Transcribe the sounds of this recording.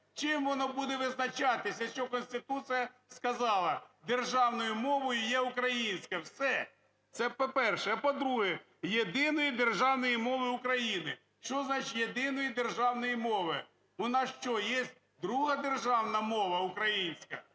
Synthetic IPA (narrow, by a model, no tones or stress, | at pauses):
t͡ʃɪmʋɔnɔbud̪ɛʋɪznɐt͡ʃɑt̪ɪsʲɐʃt͡ʃɔkɔnʲsʲt̪ɪt̪ut̪sɨjɐskɐzɑlˠɐd̪erʒɑwnɔjʊmɔʋɔjʊjɛʊkɾɐjinʲsʲkɐwsɛ | t̪sɛpɔpɛrʃɛɐpɔd̪ɾuɦɛ | jed̪ɪnɔjid̪erʒɑwnɔjimɔʋɪʊkɾɐjinɪ | ʃt͡ʃɔznɑt͡ʃɪtʲjed̪ɪnɔjid̪erʒɑwnɔjimɔʋɪ | ɔnɑsʃt͡ʃɔjesʲt̚ʲ | d̪ɾuɦɐd̪erʒɑwnɐmɔʋɐukɾɐjinʲsʲkɐ